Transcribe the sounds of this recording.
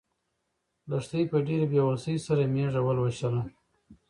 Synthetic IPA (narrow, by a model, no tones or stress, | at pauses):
laʂt̪əjpəɖeɾebjawalsəjsaɾameʐawəlwaɕala